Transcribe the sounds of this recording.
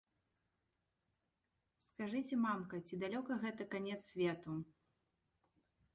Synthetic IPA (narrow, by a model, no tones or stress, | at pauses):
skaʐɨt͡sʲɛmamkɐt͡sʲid̪alʲɔkɐɣɛt̪ɐkanʲɛt̪ssʲvʲɛt̪u